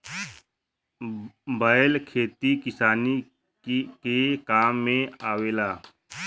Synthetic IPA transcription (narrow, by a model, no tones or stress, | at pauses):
baːjlkʰeːt̪ikɪsaːni | kekaːmːẽaːweːlaː